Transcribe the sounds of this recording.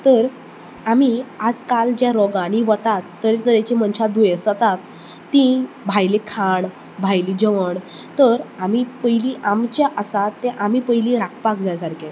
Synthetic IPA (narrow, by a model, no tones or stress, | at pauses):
t̪əɾ | amiad͡zkald͡ʑjaɾɔɡãniʋət̪at̪ːəɾet̪əɾjet͡ɕĩmənɕad̪ujesət̪at̪ː | ĩ | bʱajlikʰaɳ | bʱajlid͡ʑəʋəɳ | t̪əɾamipəjliʔamt͡ɕjaʔəsat̪ːẽʔamipəɦjlĩɾakʰpakd͡zajsaɾkʰẽ